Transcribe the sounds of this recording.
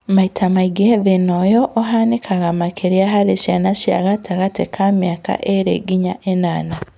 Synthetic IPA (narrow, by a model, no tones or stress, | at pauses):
maitʰamaiɡeðenɔjɔʔɔɦanekʰaɣamakʰeɾiaɦaɾeʃjanaʃja̰ɣataɣatekʰamjaka̰ʔeɾḛɡiɲaʔenaːna